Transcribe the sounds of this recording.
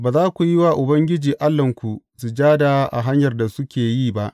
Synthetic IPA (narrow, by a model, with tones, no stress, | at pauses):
baː˨zaː˦kʷu˨jɪ˦waː˨ʔʊ˨bɐ˦ŋɡʲɪ˦d͡ʒiː˨ʔa˦lːɐ˨ŋkʷu˨ | su˨d͡ʒaː˦da˨˦ʔa̰˨ɦa˦ɲjɐ˨rda˨sʊ˦kʲeː˨jiː˦˨ba˦ʔ